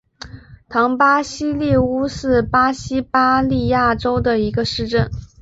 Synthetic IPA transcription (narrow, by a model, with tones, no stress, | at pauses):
t̪ʰɑ˧˥ŋpa˥ɕi˥li˥˩u˥ʂɻ̩˥˩pa˥ɕi˥pa˥li˥˧ja˥˩ʈ͡ʂo˥ʊd̪ə˨i˧˥ɡə˧ʂɻ̩˥˧ʈ͡ʂə˥˩n